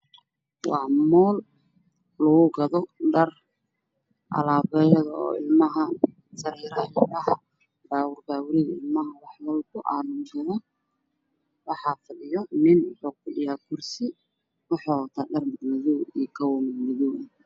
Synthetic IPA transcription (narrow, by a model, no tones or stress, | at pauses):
wɑːmɔːl | lɐɣʊɡɐðɔɖɐr | ʔɐ̰laːβɛːjɐðɐɔ̰ːɪlmɐɦɐ | sɐɾɛːɾɐɪɐɦɐ | baːwʊrbaːwʊɾɪɣɐɪlmɐɦɐwɑħwɔlkʰʊʔa̰nʊnsɐðɔ | wɑħɑfɐɗɪjɔnɪnħɔq̚jaːkʰʊrsɪ | wʊħɔt̪ʰɐɖɐrmɪɡnɐðuːikʰɐwɔmɪmɐðuː